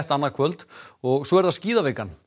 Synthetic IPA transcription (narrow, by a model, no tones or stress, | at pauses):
ht̪anːaɾkʰvœlt̪ɔɣsɔɛɾðaðsciːðaveːkan